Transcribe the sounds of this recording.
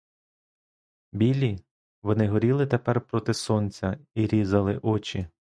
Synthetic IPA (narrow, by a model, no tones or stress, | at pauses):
bʲilʲi | ʋɔnɪɦɔɾʲilˠɪt̪epɛrpɾɔt̪ɪsɔnt͡sʲɐiɾʲizɐlˠɪʔɔt͡ʃʲi